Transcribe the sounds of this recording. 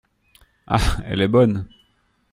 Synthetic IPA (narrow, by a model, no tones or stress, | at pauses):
a̰ɛ̰lɛbɔn